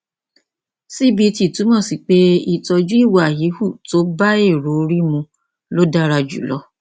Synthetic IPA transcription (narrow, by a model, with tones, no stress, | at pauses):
si˦bi˧ti˨tũ˨˦mɔ̃˦˨si˨k͡pe˦i˦˨tɔ˧d͡ʒu˦i˦˨wa˨ji˨˦hu˦˨to˦ba˦e˦˨ɾo˨˦˧ɾi˦mũ˧ | lo˦da˦ɾa˧d͡ʒṵ˨lɔ˨˧˦